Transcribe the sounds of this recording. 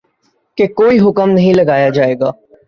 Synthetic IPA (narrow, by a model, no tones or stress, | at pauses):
kekoːiɦʊkəmnɐɦĩlɐɡaːjad͡ʒaːeːɡaː